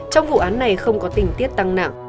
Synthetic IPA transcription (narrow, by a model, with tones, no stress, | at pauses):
t͡ɕɔ˧wŋ͡mvṵ˧˨ʔaː˨˦nːa˨˩jxə˧wŋ͡mkɔ˨˦t̪ï˨˩ŋ̟t̪i˦˥ət̚t̪a˧ŋna̰˧˨ŋ